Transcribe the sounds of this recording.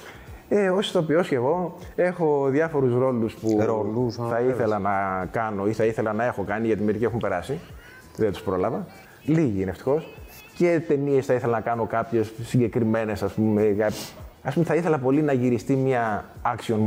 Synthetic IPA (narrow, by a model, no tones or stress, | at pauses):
eosi̥t̪o̞pio̞sce̞ɣo̞e̞xo̞ðjɐfo̞ɾusɾo̞luspuɾoluθɐiθe̞lɐnɐkɐno̞iθɐiθe̞lɐnɐe̞xo̞kɐniʝɐt̪imeɾiciexumpe̞ɾɐsi | ðent̪u̥spɾo̞lɐvɐ | liʝiineft̪i̥xo̞s | ce̞t̪e̞nie̞sθɐiθelɐnɐkɐno̞kɐpçe̞sːiɲɟe̞kɾime̞ne̞sɐspumekɐɐspumd̪θɐiθe̞lɐpo̞linɐʝiɾist̪imɐɐksio̞n